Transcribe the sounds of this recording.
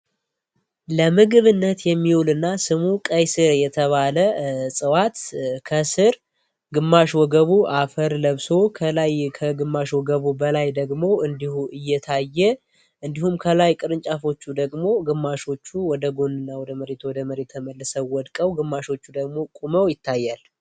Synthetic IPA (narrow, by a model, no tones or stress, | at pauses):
ləmɨɡɨβɨnːət̪jɛmːiulɨnːasɨmukʼəjsɨɾjɛt̪ʰəβaləsʼɨwat̪kʰəsɨɾ | ɡɨmːaʃwɔɡəβuʔafəɾləβso̞kʰəlajkʰəɡɨmːaʃwɔɡəβubəlajd̪əɡmo̞ʔɨnd̪ihuʔɨjːɛt̪ʰajːɛ | ʔɨnd̪ihumkʰəlajkʼɨɾɨnt͡ʃʼafo̞t͡ʃːud̪əɡmo̞ɡɨmːaʃo̞t͡ʃːuwɔd̪əɡo̞nɨnːawɔd̪əməɾe̞t̪wɔd̪əməɾet̪ʰːəməlːəsəwɔd̪kʼəwɡɨmːaʃo̞t͡ʃːud̪əɡmo̞kʼuməwjɪt̪ʰːajːal